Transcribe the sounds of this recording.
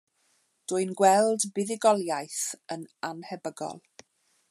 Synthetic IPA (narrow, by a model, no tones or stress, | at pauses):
d̥ʊɨnɡwɛlˠdbɪðɪɡɔlˠjajθənanhɛbəɡɔ̰lˠ